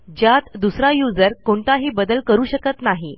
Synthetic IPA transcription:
d͡ʑjat̪d̪usɾajud͡zəɾkoɳt̪aɦiːbəd̪əlkəɾuːɕəkət̪naɦi

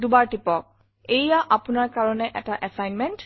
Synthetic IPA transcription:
dubaɹtipɔk̚ | ejjaʔapʊnaɹkaɹɔnɛʔɛtaʔɛsajnmɛnt

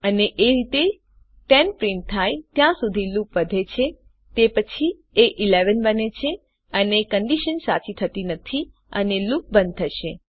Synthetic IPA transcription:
əneʔeɾit̪e | ʈɛnpɾĩɳʈ̚t̪ʰːajt̪jãsud̪ʱilupʋəd̪ʱet͡ʃʰe | t̪epət͡ʃʰi | eʔileʋənbənet͡ʃʰe | ənekəɳɖiʃənsa̰t͡ʃit̪ʰət̪inət̪ʰi | ə̰nelup̚bə̃nd̪̚t̪ʰəʃe

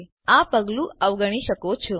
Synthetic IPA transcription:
ãpəɡlũʔəʋɡəɽ̃iʃəkot͡ʃʰo

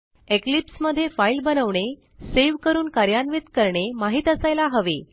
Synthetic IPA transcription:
eklipsməd̪ʱːjefailbənəʋɳe | seʋkəɾuːnkaɾjanʋit̪kəɾɳemaɦiːt̪əsajlaɦəʋe

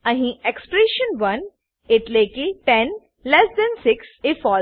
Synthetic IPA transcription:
ɐɦĩɛkspɾeːʃə̃nʋɐ̃n | ɪʈleːkiʈɛn | lɛsd̪ɛ̃nsɪksɪfɔː

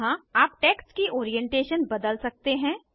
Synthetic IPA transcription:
ɦãaːpʈɛːkskiʔoːɾijɛ̃ɳʈeːʃənbɐd̪əlsɐk̚t̪eɦɛ̃ː

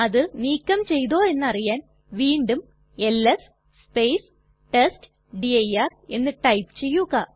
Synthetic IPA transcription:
ɐðɨniːkʲːɐmt͡ɕe̞jðo̞ːe̞nːɨɐrijaːn | ʋiːɳɖum | e̞lːes | spejs | ʈesʈ | ɖiɐjare̞nːɨʈɐjpɨ̥t͡ɕe̞jːuɣɐ

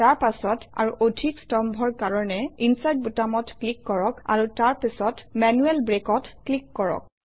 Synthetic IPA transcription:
taɹpasɔta̰ɹuʔodʱikstɔmbʱɔɹkaɹɔnɛinsajt̚butamɔtklikːɔɹɔka̰ɹutaɹpisɔtmɛnuɛlbɹekɔtklikːɔɹɔ̰k̚

